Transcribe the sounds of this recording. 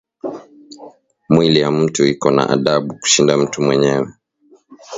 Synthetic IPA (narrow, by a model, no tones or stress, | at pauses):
mwilijam̩tuikɔna̰ʔaɗaɓuku̥ʃindam̩tumwɛɲɛwɛ